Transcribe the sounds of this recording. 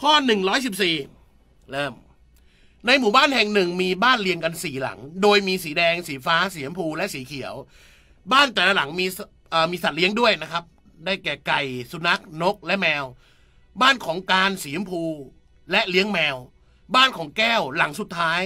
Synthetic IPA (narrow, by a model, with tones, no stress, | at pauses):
kʰɔː˥˩nɯ˨˩ŋɾɔː˦˥jsi˨˩p̚siː˨˩ | lɤː˧˥˩m | na˧jmuː˨˩baː˥˩nhɛ˨˩ŋnɯ˨˩ŋmiː˧baː˥˩nli˧əŋka˧nsiː˨˩la̰˩˦ŋdoː˧jmiː˧siː˩˦dɛː˧ŋsiː˩˦faː˦˥siː˩˦əmpʰuː˧lɛ˦˥ʔsiː˩˦kʰi˩˦əw | baː˥˩nt̪ɛː˨˩la˦˥la˩˦ŋmiː˧s | ʔəː˨˩miː˧sa˨˩t̪̚li˦əŋdu˥˩əjna˦˥kʰa˦˥p̚ | daː˥˩jkɛː˨˩ka˨˩jsu˧˩na˦˥k̚no˦˥k̚lɛ˦˥mɛː˧w | baː˥˩nkʰɔː˩˦ŋkaː˧nsiː˩˦mpʰuː˧ | lɛ˦˥ʔli˦˥əŋmɛː˧w | baː˥˩nkʰɔː˩˦ŋkɛː˥˩wla˩˦ŋsu˨˩t̪ʰːaː˦˥j